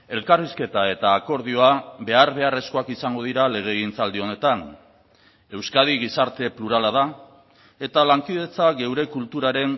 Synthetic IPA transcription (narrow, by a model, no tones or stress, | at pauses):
e̞lkariske̞t̪ae̞t̪aːko̞ɾð̞io̞aβe̞aɾβe̞are̞sko̞akisaŋɡo̞ð̞iɾale̞ɣ̞e̞ːɣint͡sald̪io̞ne̞t̪an | e̞wskað̞iɣ̞isaɾt̪e̞pluɾalað̞a | e̞t̪alaŋkiðe̞t͡saɡe̞wɾe̞kult̪uɾaɾe̞n